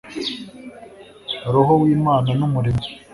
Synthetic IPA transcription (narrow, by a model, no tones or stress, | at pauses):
aɾoɦowiːmaːnanumuɾimi